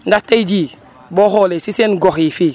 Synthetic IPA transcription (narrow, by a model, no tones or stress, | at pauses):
ndatːed͡ʒi | boɦolesisenɡoxifi